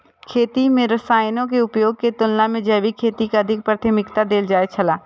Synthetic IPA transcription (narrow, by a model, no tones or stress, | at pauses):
kʰeːt̪imẽɾɐsaːɪnõk̬eʊpjoːɡ̚ket̪ʊlnamẽd͡ʒɛːʋikʰeːt̪ikaɐd̪ʱɪk̚pɾət̪ʰəmɪkt̪ad̪eːld͡ʒaːet͡ʃʰɐlaː